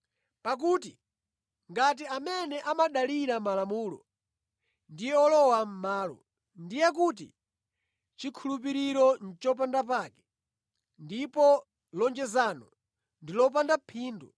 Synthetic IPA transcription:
pak̬uːti | ŋɡat̬iamɛnɛʔamaɗaliɾamalamuːlɔ̰ | ndijɛɔlɔwam̩maːlɔ̰ | ndijɛkut̬ḭ | t͡ʃikʰulup̬iɾiɾɔn̩t͡ʃɔp̬andapaːkɛ̥ | ndipɔ | lɔnd͡ʒɛzaːnɔ | ndilɔpandapʰiːndu

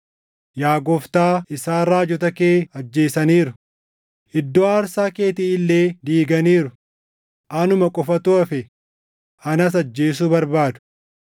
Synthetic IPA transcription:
jaːɡɔft̪aːɪsaːrɾaːd͡ʒɔt̪ɐkeːɐd͡ʒːe̞ːsɐniːɾʊ | ʔɪd̪ːoːaːɾsaːke̞ːt̪iːɪlːe̞ːd̪iːɡɐniːɾʊ | ʔɐnʊmɐkʼɔfɐt̪ʊɐfɛ | ʔɐnɐs̬ɐd͡ʒːe̞ːs̬uːbɐɾbaːd̪ʊ̥

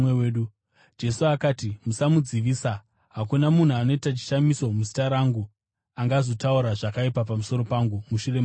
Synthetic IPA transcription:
eeɗu | d͡ʒe̞suakaːtimusamud͡ziʋiːsa | ɦakunamun̤uano̞itat͡ʃi̥ʃamiso̞muzitaɾaŋɡu | aŋɡazo̞tauɾaʐakaipapamuso̞ɾo̞paŋɡumuʃure̞ma

